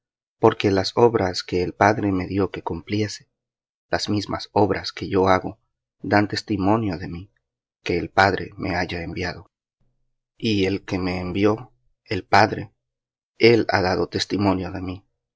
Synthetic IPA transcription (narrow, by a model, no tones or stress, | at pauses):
po̞ɾke̞laso̞βɾaske̞ːlpaðɾe̞me̞ðjo̞ke̞kumplje̞se̥ | laz̥mizma̰so̞βɾʔaske̞ʝo̞aɣo̞ | d̪ant̪e̞st̪imo̞njo̞ðe̞mi | ke̞ːlpaðɾʔe̞̰mʔe̞̰aʝaembjað̞o̞ | ie̞lke̞me̞ːmbjo̞ | e̞lpaðɾe̞̰ | e̞la̰ðaðot̪e̞st̪imõ̞njo̞ðe̞mi